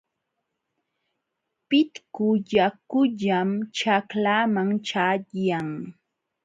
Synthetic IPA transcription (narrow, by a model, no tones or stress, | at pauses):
pɪt̪kʊʎakʊʎamt͡ʃaklaːmaŋt͡ʃaʎjaŋ